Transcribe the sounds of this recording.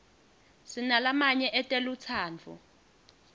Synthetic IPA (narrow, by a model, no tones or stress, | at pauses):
sinalamaɲɛʔɛtʼɛlut͡sʰaːnt͡fʰṵ